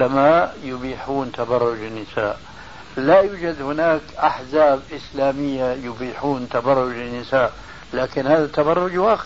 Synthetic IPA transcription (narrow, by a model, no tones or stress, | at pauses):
amaːʔjʊbiːħuːnt̪abɑrˤːʊd͡ʒɪnːɪsa̰ːʔ | lajuːd͡ʒad̪hʊnaːkʔaħzaːbʔɪslaːmɪjːajʊbiːħuːnt̪abɑrˤːʊd͡ʒɪnːɪsaːʔ | laːkɪnhaːðat̪abɑrˤːʊd͡ʒwaːx